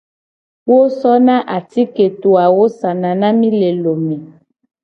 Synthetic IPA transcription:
wo˦sɔ˦nã˦ʔa˨ti˦ke˨tu˨a˨wo˦sa˨na˨na˦mi˦le˨lo˨me˨

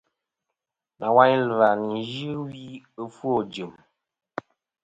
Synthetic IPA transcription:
na˨wa˦ɲlva˨ni˨ʒɨ˦wi˦ə˦fwo˨d͡ʒɨ˨m

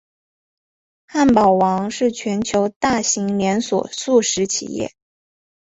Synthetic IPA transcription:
xa˥˩npɑ˨˩ʊwɑ˧˥ŋʂɻ̩˥˩t͡ɕʰɥɛ˧˥nt͡ɕʰjo˧˥ʊt̪a˥˩ɕi˧˥ŋljɛ˧˥nswɔ̰˨˩su˥˩ʂɻ̩˧˥t͡ɕʰḭ˨˩jɛ̰˥˩

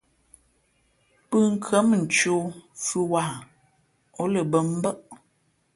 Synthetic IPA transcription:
pɨ˦ŋ̩˨kʰə˨˦m˨n̩˨t͡ʃo˦fʉ˦wa˨ | ɔ˦lə˨bə˦m˦bə˦ʔ

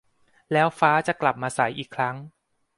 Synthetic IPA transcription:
lɛː˦˥wfaː˦˥t͡ɕa˨˩kla˨˩p̚maː˧sa˩˦jʔiː˨˩kʰɾa˦˥ŋ

